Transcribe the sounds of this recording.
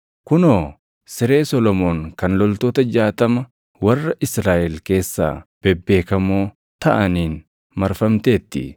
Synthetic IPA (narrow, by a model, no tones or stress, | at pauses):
kʊnoː | sɪɾe̞ːsɔlɔmoːŋkɐnlɔlt̪oːt̪ɐd͡ʒaːt̪ɐmɐ | wɐrːɐʔɪsɾaːʔɛlke̞ːsːa̰ːb̥ɛbːe̞ːkɐmoː | t̪ɐ̰ʔɐniːn | mɐɾfɐmt̪e̞ːt̪ːɪ̰